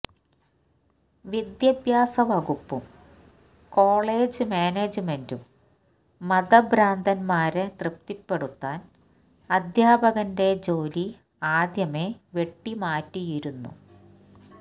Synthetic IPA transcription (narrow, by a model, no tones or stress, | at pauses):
ʋid̪jɐbjaːsɐʋɐɣupːum | ko̞ːɭeːd͡ʑɨmeːneːd͡ʑɨmendumː | ɐðɐbɾaːnd̪ʱɐnmaːɾet̪rɨp̚t̪ipːe̞ɽut̪ːaːn | ɐd̪ʱjaːbɐɣɐnde̞d͡ʑo̞ːli | aːd̪jɐmeʋje̞ʈːimaːtːijiɾunːṵ